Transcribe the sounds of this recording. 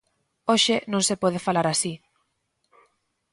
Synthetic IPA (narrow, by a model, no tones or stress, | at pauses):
oʃɪnõŋsepɔð̞efalaɾasi